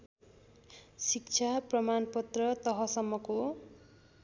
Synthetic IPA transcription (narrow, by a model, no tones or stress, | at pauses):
sik̚t͡ʃʰaprʌmanpʌt̪rʌt̪ʌɦʌsʌmːʌko